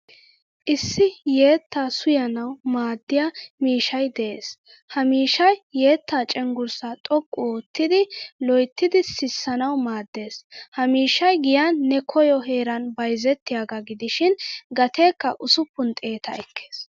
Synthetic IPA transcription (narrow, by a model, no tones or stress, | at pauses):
ʔɪsːɪje̞ːt̪ːaːsʊjɐnɐwmaːd̪ːɪjamiːʃɐjd̪ɛʔeːs | hɐmiːʃɐjːe̞ːt̪ːaːt͡ʃʼɛŋɡʊɾsɐt̪ʼɔkʼːʊoːt̪ːɪd̪ɪlɔjt̪ːɪd̪ɪsɪsːɐnɐwmaːd̪ːe̞ːshɐmiːʃɐjɡɪjanːɛkʰɔjɔɦe̞ːɾɐnbɐjzɛt̪ːɪjaːɡɐɡɪd̪ɪʃɪnɡɐt̪e̞ːkːɐʔʊsʊpːʊnt̪ʼe̞ːt̪ʰɐ̰ɛkʰːe̥ːs